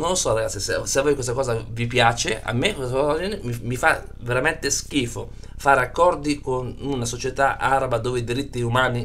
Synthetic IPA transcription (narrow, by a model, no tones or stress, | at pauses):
nõnlːosɔraɡat̪sːisaseavːojkwest̪akɔːzavipjaːt͡ʃea̰mːekwesad͡ʒinemimifa̰ | veɾament̪eskiːfo | faːɾeakːɔrd̪ikonunasot͡ʃet̪aʔaːɾabad̪oːved̪iɾit̪ːiumaːni